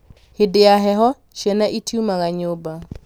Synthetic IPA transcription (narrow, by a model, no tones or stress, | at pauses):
hɪdɪaɦɛɦɔ | ʃɛnaʔitʰiumaɣaɲoba